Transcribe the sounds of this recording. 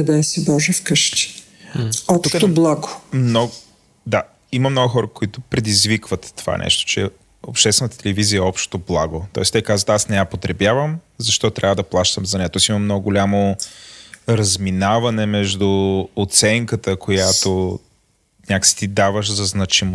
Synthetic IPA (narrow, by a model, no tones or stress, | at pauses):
ɐd̪aɛsibɔʒɛfkəʃt̪i̥ | ɔp̪uk̪oblˠaɡʊmnɔɡ | d̪a | imɐmnɔɡʊxɔɾəkoit̪ʊpɾɛd̪izvikvət̪ːo̥va̰nʔɛ̰ʃt̪o̥t͡ʃɛ̰ | o̰pʃt̪ɛst̪vɛnt̪ə̥t̪ɛlɛviziəɛɔpʃt̪oblˠaɡot̪ɔ̰ɛst̪ɛjkazvət̪asnɛjapot̪ɾɛbʲjavəm | zɐʃt̪ɔtt̪ɾʲavəd̪ɐplˠaʃt̪əmzɐnɛat̪ɔɛsimɐmnɔɡʊɡolʲamo | ɾɐzminavɐnɛmɛʒd̪uːt̪sɛŋkət̪əkojat̪o | nʲakə̥si̥t̪id̪avəʃzɐznɐt͡ʃim